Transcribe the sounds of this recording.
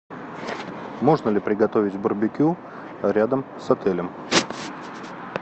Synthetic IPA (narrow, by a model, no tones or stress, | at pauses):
mo̞ʐnəlʲɪpɾʲɪɡɐt̪o̞vʲɪtʲbʊrbʲɪkʲu | ɾʲad̪əmsɐt̪ɛlʲəm